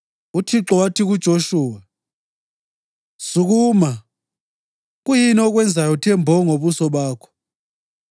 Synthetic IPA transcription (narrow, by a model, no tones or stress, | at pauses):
utʰiǁɔwatʰiɣ̬ud̥ʒ̥ʱoʃuːwa | suk̬uːma | ɣ̬ujiniɔɣ̬wɛnd͡zʱajɔtʰɛmbʱɔŋoβusɔɓaːkʰɔ̥